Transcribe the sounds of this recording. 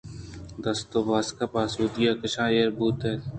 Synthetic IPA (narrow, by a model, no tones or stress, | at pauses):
d̪ɐst̪oʋaːskapaːsuːd̪ijakɐʃʰãːjeɾbuːt̪eː